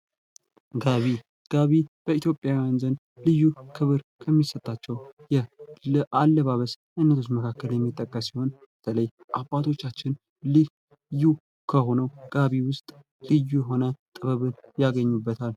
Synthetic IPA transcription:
ɡaβi | ɡ̥aβib̥əit̪ʰjo̞pʼːjawijanzən | lɨjːukʰɨβɨɾkʰəmːisət̪ʼːat͡ʃːɛwjɛʔalːəβaβəs | ʔɨnːət̪ʰot͡ʃməkʰakːəljɛmːit̪ʼːəkʼːəsːiho̞nb̥ət̪ʰələj | ʔabːat̪ʰo̞t͡ʃːat͡ʃːɪn | lɨ | ju | kʰəho̞nəwɡ̥aβiwʊst̪ʼ | lɨjːujɛɦo̞nət̪ʼɨβəβɨnjaɡəɲːubːət̪ʰal

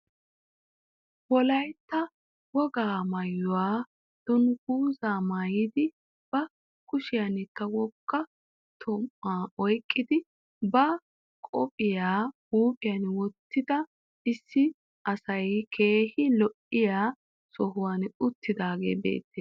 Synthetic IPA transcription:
wɔlɐjt̪ːɐ | wɔɡaːmɐjːʊwaː | d̪̥ʊnhuːzaːmaːjɪd̪ɪ | b̥ɐ | kʊʃɪjɐnɪkːɐwɔkːɐ | t̪ʰɔmːaːɔjkʼːɪd̪ɪ | bɐ | kʼɔpʼɪjaː | uːpʼɪjanwɔt̪ːɪd̪ɐ | ɪsːɪ | ɐsɐjkʰe̞ːhɪlɔʔɪjaː | sɔɦʊwaːnʊt̪ʰːɪd̪aːɡe̞̰ːbḛːt̪ːeː

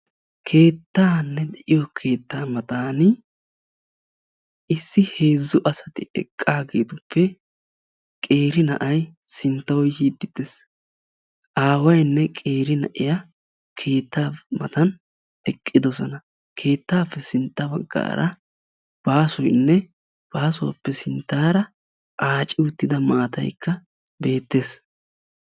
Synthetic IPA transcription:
kʰe̞ːt̪ːaːnːɛd̪ɛʔɪjɔkʰe̞ːt̪ːaːmɐt̪aːnɪ | ɪsːɪhe̞ːzːʊʔɐsɐt̪ɪɛ̰kʼːaːɡeːt̪ʊpːɛ | kʼe̞ːɾɪnɐ̰ʔɐjsɪnt̪ːɐwjhiːd̪ːɪd̪̥es | ʔaːwɐjnːɛkʼe̞ːɾɪnɐ̰ʔɪja | kʰe̞ːt̪ːaːmɐt̪ɐn | ɛkʼːɪd̪ɔsɔnɐ | kʰe̞ːt̪ːaːpːɛsɪnt̪ːɐbɐɡːa̰ːɾʔɐ | b̥aːsʊjnːɛ | b̥aːsʊwa̰pːɛsɪnt̪ːaːɾɐ | ʔaːt͡ʃʼɪʊt̪ːɪd̪ɐmaːt̪ɐ̰jkʰːɐ | be̞ːt̪ːe̞ːs

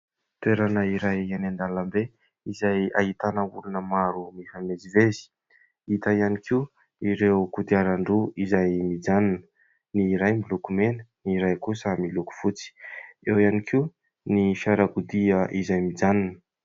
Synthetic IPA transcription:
t̪weɾanəiɾajanand̪alambe | izaja̰ɦit̪anəulunəmaɾumifamezivezi̥ | it̪aianikʰi | iɾewkud̪iaɾaɳɖ͡ʐuizajmid͡zanunə | niɾajmilukumenə̥niɾajkusəmiluku̥fut͡si̥ewianikʰiu | nifjaɾaɡud̪iəʔizajmid͡zanunə̥

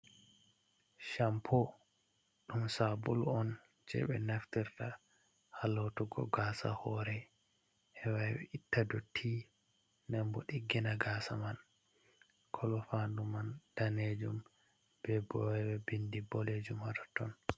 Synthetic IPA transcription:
ʃampʰɔ | ɗumsabulɔn | d͡ʒɛ̰ɓɛ̰naftiɾta | halotuɡɔ̰ɡaːsa̰hɔɾɛ | ʔɛwawɛʔitːadɔtʰi | nɛmbɔɗiɡːinaɡaːsaman | kʰɔlɔfandumand̥aned͡ʒum | b̥ɛbɔwɛwɛbindibɔled͡ʒumadɔtɔn

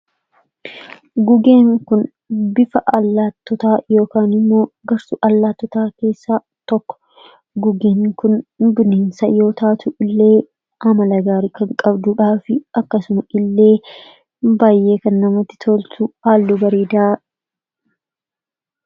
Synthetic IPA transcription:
ɡʊɡe̞ːŋŋkʊn | bɪfɐʔɐlːaːt̪ːɔt̪aːjo̞ːkaːnɪmːo̞ːɡɐɾsʊʔɐlːaːt̪ːɔt̪aːke̞ːsːaː | t̪ɔkːɔ̥ | ɡʊɡeːŋŋkʊnbʊneːnsɐ̰jo̞ːt̪aːt̪ʊʔɪlːe̞ː | ɐmɐlɐɡaːɾɪkɐŋkʼɐbd̪uːᶑaːfɪɐkːɐsʊmɐʔɪlːe̞ː | baːjːe̞ːkɐnːɐmɐt̪ːɪ̥t̪ʰoːlt̪ʰuhaːlːubɐɾeːd̪ɐa

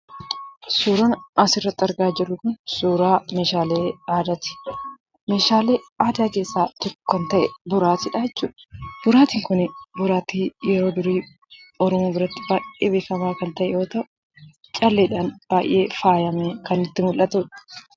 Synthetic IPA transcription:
suːɾɐnɐsɪrːɐt̪ːɐɾɡaːd͡ʒɛlːʊkʊnsuːɾaːmeːʃaːleːaːd̪ɐt̪ɪ̥ | me̞ːʃaːle̞ːaːd̪aːke̞ːsːaːt̪ɔkːkːɐnt̪ɐʔɛbʊɾaːt̪ɪᶑaːɛt͡ʃːṵːᶑɐ̥bʊɾaːt̪iŋkʊnɪbʊɾaːt̪iːjɛɾo̞ːd̪ʊɾiː | ɔɾɔmoːbɪɾɐt̪ːɪbaːjʔeːbe̞ːfɐmaːkɐnt̪ɐʔɛjo̞ːt̪ɐʔʊ | t͡ʃʼɐlːeːᶑaːnb̥aːjʔe̞ːfaːjɐmekɐnɪt̪ːɪmʊlʔɐt̪uːᶑɐ̥

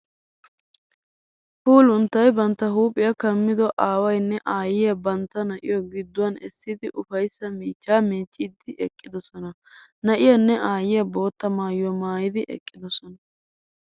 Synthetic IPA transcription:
fuːlʊnt̪ːɐjbɐnt̪ːɐɦuːpʼːɪjɐkɐmːɪd̪ɔʔaːwɐjnːɛʔaːjɪjɐbɐnt̪ːɐnɐʔɪ̰jɔɡɪd̪ːʊwɐnɛ̰sːɪd̪ɪʔʊfɐjsːɐmiːt͡ʃːaːmeːt͡ʃʼːid̪ɪʔɛkʼːɪd̪ɔsɔnɐ | nɐʔɪjɐnːɛʔaːjɪjɐbo̞ːt̪ːɐmaːjjɔmaːjɪd̪ɪʔɛ̰kʼːɪd̪ɔsɔnɐ

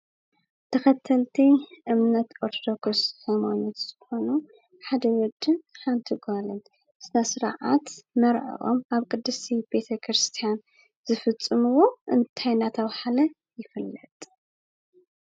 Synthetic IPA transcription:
t̪ʰɐxɐt̪ʰːɐlt̪ʰiʔɨmnɐt̪oɾt̪ʰod̪okʰoshɐmanot̪z̥ɨxo̞nu | ħad̪ɐwɔd͡ʒ̪ːɨnħant̪ʰɨɡalɐn | sɨnasɨɾa̰ʕa̰t̪mɐɾʕɐ̰ʔo̰mʔaβkʼɨd̪ːɨsib̥e̞t̪ʰɐkʰɾɨst̪ʰijan | zɨfɨt͡sʼːɨmɨwo̞ʔɨnt̪ʰajnat̪ʰɐβħalɐ | jɪfɨlːɐt̪ʼ

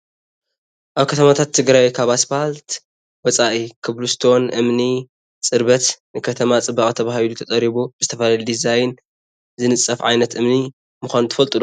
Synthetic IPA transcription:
ʔaβkʰɐt̪ʰɐmat̪ʰat̪ʰːɨɡɾajkʰaβasfalt̪ | wɔt͡sʼaʔikʰɨβlust̪ʰo̞nʔɨmni | t͡sʼɨɾbɐt̪nɨkʰɐt̪ʰɐmat͡sʼɨbɐkʼt̪ʰɐβahilut̪ʰɐt̪ʼɐɾiβub̥ɨzɨt̪ʰɐfɐlalud̪izajn | zɨnɨt͡sʼːɐfʕajnɐt̪ʔɨmni | mɨxʷanut̪ʰɨfɐlt̪ʼɨlo

